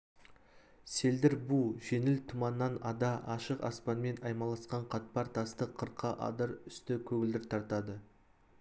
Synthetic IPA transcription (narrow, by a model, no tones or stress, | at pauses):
se̞ld̪ɪɾbuʒe̞nɪlt̪ʰʊmɑnːɑnɑd̪ɑʔɑʃəqɑ̰spɑnme̞nɑjmɑlˠɑsqɑɴqʰɑt̪̚pɑɾt̪ʰɑst̪əqʰəɾqʰːɑʔɑ̰d̪əɾʏst̪ɪkʲʰɵɡʲɪld̪ɪɾt̪ʰɑɾt̪ɑd̪ə